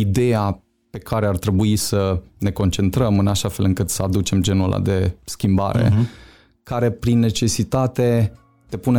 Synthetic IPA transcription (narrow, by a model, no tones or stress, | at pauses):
id̪e̞ja | pe̞kʰaɾe̞art̪ɾe̞buisəne̞ko̞nt͡ʃe̞nt̪ɾəmɨnaʃafe̞lɨŋkɨt̪səad̪ut͡ʃe̞md͡ʒe̞nula̰d̪e̞skʲimba̰ɾe̞̰ | kaɾe̞pɾinːe̞t͡ʃe̞sit̪at̪e̞ | t̪e̞pune